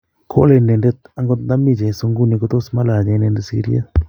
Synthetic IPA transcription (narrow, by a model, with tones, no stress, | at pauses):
kʰo̰˦le˦˨nɛ˨nde˦ta˦ŋɡo˧˦t̪d̪a˦mi˦˨d͡ʒa˨so˧ŋɡu˦˨ni˧ko˦t̪o˦sma˦la˨d͡ʒa˨˦nɛ˨nde˨sḭ˧˦ɾḭ˦ḛ˦